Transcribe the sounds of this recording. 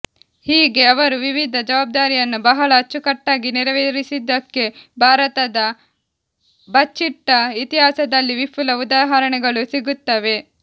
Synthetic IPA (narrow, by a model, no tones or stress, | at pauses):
hiːɡe̞ɐʋɐɾuʋiʋid̪ʱɐd͡ʒɐʋaːb̚d̪aːɾijɐnːubɐɦɐɭɐːt͡ʃːukɐʈːaːɡiniɾɐʋeːɾisid̪ːɐkːe̞bʱaːɾɐt̪ɐd̪ɐ | bɐt͡ʃːiʈːɐit̪iɦaːsɐd̪ɐlːiʋipʰːulɐud̪aːɦɐɾɐɳɛɡɐɭusiɡut̪ːɐʋe̞